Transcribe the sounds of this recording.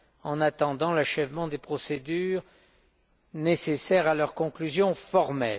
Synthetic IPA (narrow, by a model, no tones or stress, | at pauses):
ɑ̃nat̪ɑ̃d̪ɑ̃laʃɛvmɑ̃d̪epχɔsed̪yːʁ | nesesɛʁalœʁkɔ̃klyzjɔ̃fɔʁmɛl